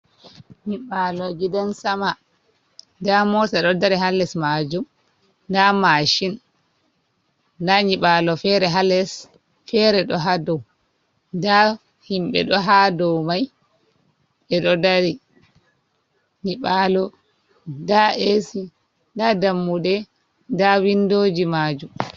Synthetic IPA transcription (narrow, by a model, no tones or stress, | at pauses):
ɲiɓalɔɡidansama | damɔtaɗɔdaɾiɦalːɛsmad͡ʒum | ndamaʃin | daɲiɓalɔfɛɾɛɦalɛs | fɛɾɛɗɔɦadɔw | nda | himɓɛ̰ɗɔɦadɔwmaj | ɛɗɔdaɾi | ɲiɓalɔ | daʔesi | ndadamːuɗɛ | dawindoːd͡ʒimad͡ʒum